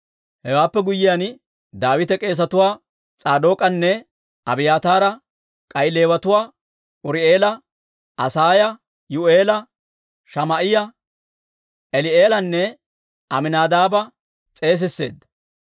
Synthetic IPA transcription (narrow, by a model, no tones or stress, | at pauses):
hɛwaːpːɛɡʊjːɪjan | d̪aːwɪt̪ɛkʼe̞ːs̬ɐt̪ʊwaː | t͡sʼaːd̪o̞ːkʼɐnːɛ | ɐbɪjaːt̪aːɾɐ | kʼɐjɪle̞ːwɐt̪ʊwaː | ʊɾɪe̞ːlɐ | ʔɐsaːjɐ | jʊe̞ːlɐ | ʃɐmɐʔɪjɐ | ʔɛlɪe̞ːlɐnːɛ | ɐmɪnaːd̪aːbɐ | t͡sʼe̞ːs̬ɪsːe̞̰ːd̪ːɐ̥